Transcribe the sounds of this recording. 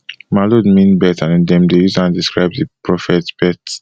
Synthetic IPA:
malodmĩnbɛtãndɛ̃mdejuzãndiskɹaɪbðipɹɔfɛtb̥ɛt

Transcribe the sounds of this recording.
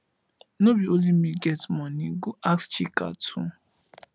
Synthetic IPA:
nobiolimiɡɛtmɔnĩɡuʔakst͡ʃika̰tʰũ

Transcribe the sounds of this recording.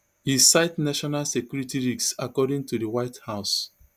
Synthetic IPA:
hisaɪtnaʃɔnalsekjuɹitiɹiksakɔdĩŋtudəwaɪthaʊs

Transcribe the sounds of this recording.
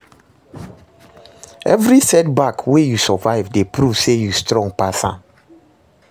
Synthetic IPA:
ɛvɹisɛt̚bakwejusɔvaɪvdepɹuvsejustɹɔ̃ŋɡ̚pasã̰n

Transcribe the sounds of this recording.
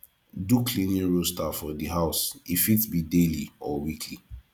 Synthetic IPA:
dukʰlĩnĩnɹostafɔdiɦaʊsifitbideliɔwikʰli

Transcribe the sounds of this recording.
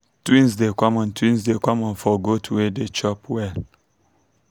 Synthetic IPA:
twĩnsdekɔ̃mɔ̃ntwĩnsdekɔ̃mɔ̃nfɔɡotʰuwedet͡ʃɔpwɛ

